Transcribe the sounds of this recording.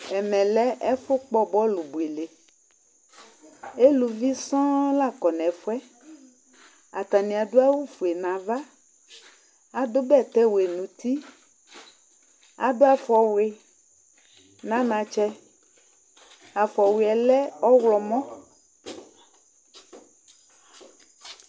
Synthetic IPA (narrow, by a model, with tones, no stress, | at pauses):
ɛ˨mɛ̃˨lɛ˦ʔɛ˦fʊ˦k͡pɔ˦bɔ˦lu˨bu˨e˨le˨ | e˦lu˨vi˦sɔ̃˦la˦˨kɔ˨nɛ̃˨fo˦ɛ˦ | a˨t̪a˨nĩ˨a˨do˦a˦wu˦fu˨e˨nã˨va˦ | a˨do˦bɛ˦˨t̪ɛ˦wo˨e˨nũ˨t̪i˦ | a̰˨do˦a˨fɔ˨we˨ | nã˦nã˨t͡ʃɛ˦ | a˨fɔ˨we˨ɛ˨lɛ˦ɔ˦wlɔ˨mɔ̃˦